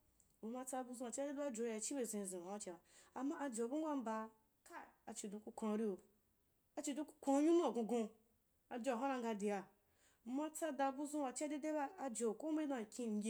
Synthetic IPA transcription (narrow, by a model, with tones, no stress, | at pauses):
o˨ma˧t͡sa˧bu˧zũ˧a˨t͡ʃi˦a˦de˦du˦a˦d͡ʒo˧˨˦a˨t͡ʃi˦be˧˨zĩ˧˨zĩ˨a˨a˦t͡ʃi˧ba˨a˨mːa˦ʔa˧d͡ʒe˨bu˦ɡʷa˦m̩˦ba˧ | ka˦˨a˨t͡ʃi˧dũ˧ku˧kʷã˧ɾi˦o˨ | a˧t͡ʃi˧dõ˧ku̥˧˦kʷã˧˦˧ɲʲĩ˦nũ˦a˨ɡõ˧ɡõ˧ | a˧d͡ʒo˧a˨ɦã˦ɾa˧ŋɡa˧de˨ja˨˧˦ | ma˧t͡sa˧da˧bu˧zũ˦wa˨t͡ʃi˦a˦de˦de˦ba˦a˧d͡ʒe˨o˨ko˦me˦dã˧˨kʲĩ˧n̩˨˦ɡʲe˧˦